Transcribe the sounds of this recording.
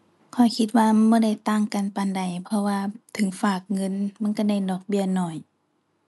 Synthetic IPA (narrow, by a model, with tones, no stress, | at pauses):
kʰɔ˨˩jkʰi˧t̪̚waː˧mɔː˧˥˨da˧˩jt̪aː˧˨ŋka˨npa˧˨nda˨˩jpʰɔ˧waː˧t̪ʰɯ˨˦ŋfaː˧˩k̚ŋɤ˧˥˨nma˧˥˨nka˧˩da˧˩jnɔː˧˩k̚bi˧˩ənɔ˧˩j